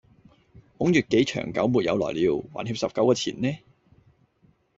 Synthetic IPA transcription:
hʊ˨˥ŋjyː˨˩t̚ke˨˥jt͡ʃʰœ̰ː˨˩ŋkɐ˨˥wmuː˨t̚jɐ̰˨˧wlɔ̰ː˨˩jliː˨˧wwaː˨˩nhiː˧p̚sɐ˨p̚kɐ˨˥wkɔː˧t͡sʰḭː˨˩nnɛː˥

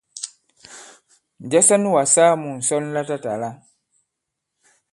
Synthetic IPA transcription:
n̩˨d͡ʒɛ˦sa˦nu˦wa˨saː˦mũ˨n̩˨sɔ˦n˦la˦ta˦ta˨la˦

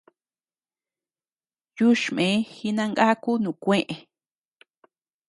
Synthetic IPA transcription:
ju˦ʃmẽ˨˦xi˧nã˧ŋɡa˦ku˦nũ˨kʷẽ˦ʔẽ˨

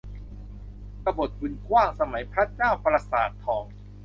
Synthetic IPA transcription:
ka˧bo˨˩t̪̚bɯ˧nkʰwaː˥˩ŋsa˧ma˩˦jpʰɾa˦˥t͡ɕaː˥˩wpɾa˧saː˨˩t̪ʰːɔː˩˦ŋ

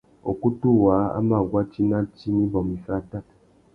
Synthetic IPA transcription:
o̰˨ku˦tu˦˨wa˨˦a̰˦ma˦˨ɡwa˦t͡ʃi˦na˦t͡ʃi˦ni˦bɔ˨mi˨fa˦˨ta˦t

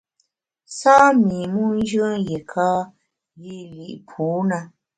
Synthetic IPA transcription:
saː˦mi˨mu˦n˦d͡ʒə˦je˨kʰaː˦ | ji˦˨li˨ʔpʰuː˨˦na˧

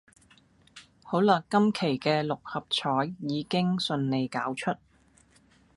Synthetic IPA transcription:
ho˨˥wlœː˨˩kːɐ˥mkʰe˨˩jkɛː˧lʊ˨k̚hɐ˨p̚t͡ʃʰɔː˨˥jːiː˨˧kɪ˥ŋsɵ˧nne˨˧jkaː˨˥wt͡ʃʰɵ˥t̚

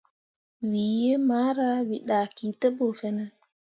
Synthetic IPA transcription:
wi˨je˦ma˦ɾa˦wi˨ɗa˨ki˨tə˦bo˨fɛ˦na˦

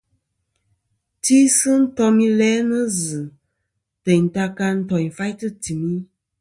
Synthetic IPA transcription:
ti˦sɨ˦n̩˦tɔ˧mĩ˧lɛ˨˦nə˦zɨ˨ | tə˨n̩˨ta˧ka˧n̩˦tɔ˨i˨fa˦tɨ˦ti˨mĩ˦

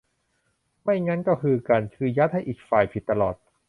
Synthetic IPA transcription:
ma˥˩jŋa˦˥nkɔː˥˩kʰɯː˧ka˧nkʰɯː˧ja˦˥t̪̚ha˥˩jʔiː˨˩k̚faː˨˩jpʰi˨˩t̪ːa˧lɔː˨˩t̪̚

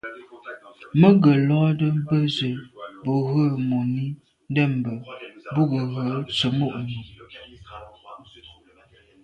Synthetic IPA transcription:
mə˦ɡə˨lɔ˦də˦m˦bə˦zə˨bo˨ɣə˦˨mo˨ni˦ | n˦dɛ˦˨mbə˨bu˦ɡə˨ɣə˨˦t͡sə˨mo˦˨ʔmi˨

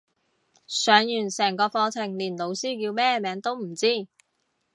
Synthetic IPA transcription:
sœː˨˥ŋjyː˨˩nsɛː˨˩ŋkɔː˧fɔː˧t͡sʰɪ˨˩ŋliː˨˩nlo˨˧wsiː˥jiː˧wmɛː˥mɛː˨˥ŋt̪o˥wm̩˨˩t͡siː˥˩

